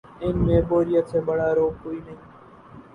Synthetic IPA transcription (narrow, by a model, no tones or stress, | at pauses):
ɪnmẽːboːɾɪjat̪sẽːbəɽaːɾoːkoːiːnəɦĩː